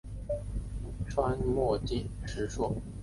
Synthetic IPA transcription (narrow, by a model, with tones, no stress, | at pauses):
ʈ͡ʂʰwa˥nmwɔ˥˧t͡ɕi˥˩nʈ͡ʂɻ̩˧˥ʂwɔ˥